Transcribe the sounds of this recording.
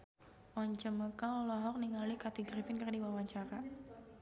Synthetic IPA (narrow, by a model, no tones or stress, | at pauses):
ʔɔɲt͡ʃəməkaɔlɔɦɔk̚niŋalikat̪iɡɾifɪnkərdiwawaɲt͡ʃaɾa